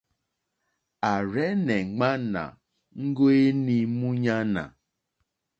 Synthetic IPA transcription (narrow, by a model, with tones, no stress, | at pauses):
a˨ɾɛ˦ne˨˦ŋ͡ma˦na̰˨ | ŋ̩˦ɡo˦e˦ni˦mu˦ɲa˦na̰˨